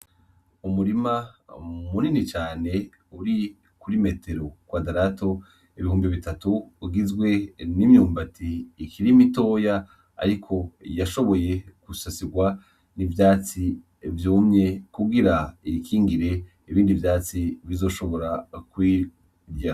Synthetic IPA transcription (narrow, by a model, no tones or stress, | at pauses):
umuɾimamuninit͡ʃaːne̞ | uɾi | kuɾime̞tʰe̞ɾo̞kwadaɾato̞ | iβihuːmbiβitatuːɡizɡwe̞nimjuːmbatʰiːkʰiɾimito̞ːja | a̰ɾikʰo̞jaʃo̞βo̞je̞kusasiɡwa | nivjaːt͡si | vjuːmɲe̞kuɡiɾaikʰiːŋɡiɾe̞ | iβiːndivjaːt͡siβizo̞ːʃo̞βo̞ɾakwiː | ɡja